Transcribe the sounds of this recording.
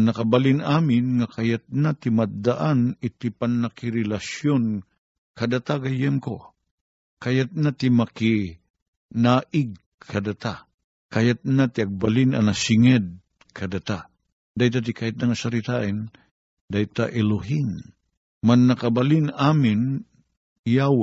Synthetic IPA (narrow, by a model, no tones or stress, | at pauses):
nɐkabalɪnʔaːmɪnŋakʰajat̪̚nat̪ɪmad̪aʔanɪt̪ipanːɐkɪɾɛlasjon | kɐd̪at̪aɡɐjɛmko | kajat̪̚nat̪ɪmɐkɪ | naːʔɪɡ̚ | kʰɐd̪at̪a | kajat̪̚nat̪ɪɐɡ̚balɪna̰nasɪŋɛd̪̚ | kʰɐd̪at̪a | d̪ajt̪at̪̬ikʰaːht̪̚naŋasaɾit̪aʔɛn | d̪ajt̪aʔɛlʊɦɪŋ | manːɐkabalinaːmɪn | jaw